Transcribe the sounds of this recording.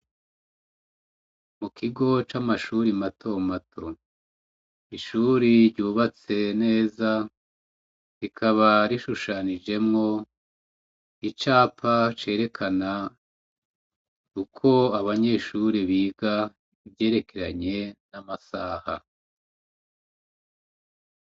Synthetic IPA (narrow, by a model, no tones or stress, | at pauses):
mukʰiɡo̞t͡ʃamaʃuɾimatʰo̞matʰo̞ | iʃuːɾiɾɟuːβat͡se̞ne̞ːza | ɾikʰaβaɾiʃuʃanid͡ʒe̞mŋo̞ | it͡ʃaːpʰat͡ʃe̞ːɾe̞kʰana | ukʰo̞aβaɲe̞ʃuɾiβiːɡa | iβje̞ːɾe̞kʰe̞ɾa̰ɲe̞namasaːha̰